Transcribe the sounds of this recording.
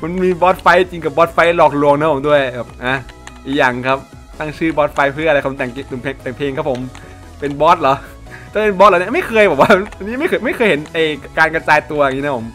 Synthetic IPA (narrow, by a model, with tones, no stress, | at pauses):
ma˧nmiː˧bɔː˦˥t̪̚fa˧˥jt͡ɕi˧ŋk̬a˨˩bɔː˦˥t̪̚fa˧˥jlɔː˨˩k̚lu˧əŋna˧˦˥pʰo˩˦mdu˥˩əjbɛː˨˩p̚ʔaː˧˩ | ʔiː˨˩k̚jaː˨˩ŋkʰa˦˥p̚ | t̪a˥˩ŋt͡ɕʰɯː˥˩bɔː˦˥t̪̚fa˧˥jpʰɯ˥˩˨kʰːt̪ɛː˨˩ŋ˧t̪u˨˩pʰeː˧ŋt̪ɛː˨˩ŋpʰeː˧ŋʰa˦˥pʰo˩˦m | pe˧nbɔː˦˥t̪̚lɔː˨˦ | t͡ɕ̪a˧˩˥pe˧nbɔ˦˥t̪̚ln˧˥˧ma˥˩jkʰɤː˧jbɛː˨˩waː˥˩ʔa˧niː˦˥ma˥˩jkʰɤː˧jma˥˩jkʰɤː˧jhɦe˩˦nʔa˧˩jkaː˧nka˧t͡ɕaː˧jt̪u˧ɐja˨˩i˦˥a˦˥pʰo˩˦m